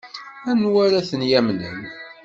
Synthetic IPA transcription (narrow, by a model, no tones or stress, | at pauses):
ænwæɾæθənjæmnə̰n